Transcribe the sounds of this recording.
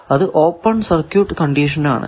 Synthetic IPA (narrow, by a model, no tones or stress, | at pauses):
ɐðɨʔoːpːɐɳsɐrkjuːʈːɨkɐɳɖiːʂɐna̰ːɳɨ̰